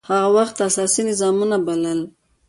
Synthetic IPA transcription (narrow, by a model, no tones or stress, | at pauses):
haɣawaxt̪asɑsinɪzɑmunabaləl